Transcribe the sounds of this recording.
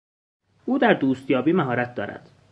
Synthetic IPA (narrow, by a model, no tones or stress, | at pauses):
ʔuːd̪æɾd̪uːst̪jɒːbiːmæɦɒːɾæt̪̚d̪ɒ̰ːɾæ̰d̪̥